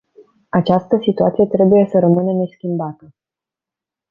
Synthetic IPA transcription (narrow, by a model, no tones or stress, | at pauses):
at͡ʃast̪əsit̪ua̰t̪sijet̪ɾe̞buje̞səɾəmɨnene̞skʲimbat̪ə